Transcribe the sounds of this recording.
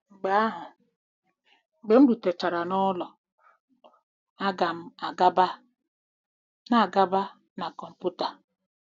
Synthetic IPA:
ŋ͡m̩˨ɡ͡ba˨˦a˦ɦʊ˨ | ŋ͡m̩˨ɡ͡be˨ŋ͡m̩˦du˨te˨t͡ʃa˨ɾa˨nɔ˦lɔ˨ | a˦ɡa˨m̩˨a˨ɡa˦ba˦ | na˨ɡa˦ba˦ | na˨kɔ˨m̩˨pu˦ta˨

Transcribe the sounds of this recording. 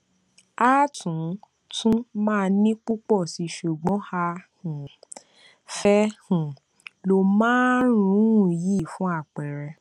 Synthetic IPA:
aː˦tũ˨˦ | tʰũ˦mãː˦˧nĩ˦k͡pu˦k͡pɔ˦˨si˧˦ʃu˨ɡ͡bɔ̃˨˦ha˧hũ˨ | fɛ˧hũ˨ | lo˧mãː˦ɾ̃ũ˨˦˨ji˦˨fũ˦a˦˨k͡pɛ˨ɾɛ˧

